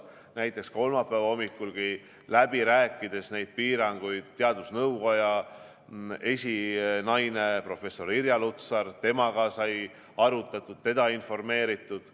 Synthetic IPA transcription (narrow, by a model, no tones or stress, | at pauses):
næjt̪ːˑe̞ksko̞lmɑpˑːævɑo̞mːikːˑulɡ̥i | læb̥iɾæːkˑːid̪̥e̞sne̞jd̪̥̚piːɾɑŋɡ̥ujd̪̥t̪e̞ɑd̪usnɤwko̞jɑ | e̞sʲinɑjnepro̞fe̞so̞ɾiɾjɑlut̪sɑrt̪e̞mɑɡ̥ɑsɑj | ɑɾut̪ˑːɑt̪ːˑud̪̥̚t̪e̞d̪̥ɑinfo̞rme̞ːɾit̪ːˑud̪̥